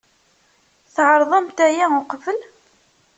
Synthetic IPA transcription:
θʕəɾˤðˤəmt̪æjæʊqfəl

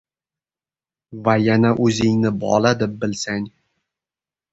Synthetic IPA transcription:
vajanaʔɵzɪŋnɪbɒ̰lˠad̪ɪp̚bɪlsaŋ

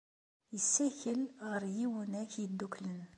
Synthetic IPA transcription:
jəsːæçəlʁəɾjiwənæçjəd̪ːuklən

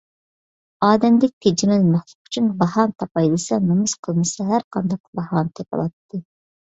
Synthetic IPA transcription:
ɑːd̪ɛmd̪ɪk̚ʲt̪ʰed͡ʒimɛlmɛχt̪ɨ̥qy̥t͡ʃʰynbɑhɑnt̪ʰɑpɑjd̪ɨsɛnɨmusqʰəlˠmɨsɑɦæɾqʰɑnd̪ɑq̚bɑhɑnt̪ʰɛpɑ̰lˠɑt̪ːɨ

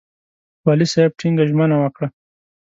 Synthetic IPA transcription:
wɑlisab̚ʈʰiŋɡaʒmənawakɽa

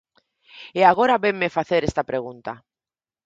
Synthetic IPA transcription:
eaɣ̞oɾaβeŋmefaθeɾest̪apɾeɣunt̪a

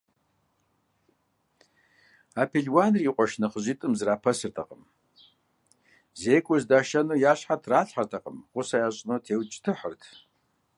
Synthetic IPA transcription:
aːpʰiɮwanriːqʷʼɔʃnɐχəʑitʼɨmzɨraːpʰɐsɨrtʰɐ̰qʼəm | zeːkʷʼʊzdaːʃɐnɨjaːɕħatʰraːɬħartʰɐqʼəmqʷʊsajaːɕʼnotʰeːwt͡ʃʼtʰɨħərtʰ

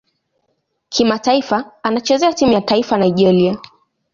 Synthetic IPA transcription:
kʰimataifaanat͡ʃɛzɛatimujataifanajʄɛlia

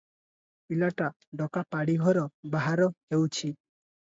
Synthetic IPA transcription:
ilaʈa | ɖɔkapaɽiɦɔɾɔbaɦaɾɔɦewt͡ʃʰi

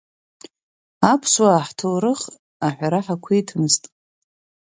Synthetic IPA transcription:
apʰswaːħtʰɨlɾɨχ | aħᶣʷaɾaħakʷʰijtʰɨmɨztʼ

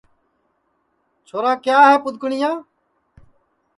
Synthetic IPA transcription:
t͡ʃʰoːɾãːkjaːɦɛːpʊd̪̚ʱkʊɳɪjãː

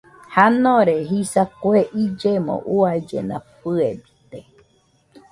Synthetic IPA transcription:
hanõɾeɦisakoeʔid͡ʒemõ̰ʔuaid͡ʒḛnã̰pɨebi̥t̪e

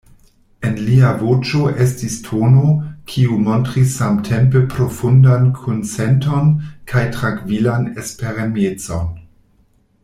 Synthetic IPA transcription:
enliavot͡ʃo̞ʔe̞stistʰono̞kʰiumo̞ntɾisːamtʰe̞mp̬epɾo̞fundankʰont͡sento̞nkʰajtɾaŋkvilanespeɾamet͡so̞n

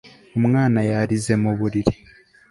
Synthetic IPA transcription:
omŋaːnajaɾizemoβuɾiɾi

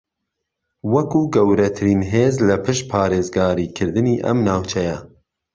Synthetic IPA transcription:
wɐkuːɡɐwɾɐt̪ʰɨɾiːnɦeːzlɐpʰɨʃ̚pʰɑːɾeːzɡɑːɾiːkʰɨɾd̪ɨniːʔɐ̰mnaːwt͡ʃʰɛjɛ

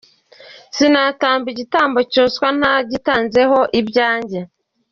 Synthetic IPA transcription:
sinaːtaːmbiɟitaːmbo̞coskwan̥aɟitaːnze̞ho̞ʔibɟaːɲɟe

